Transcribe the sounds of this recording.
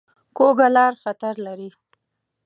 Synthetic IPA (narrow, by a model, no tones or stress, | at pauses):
koɡalɑɾxat̪aɾlaɾi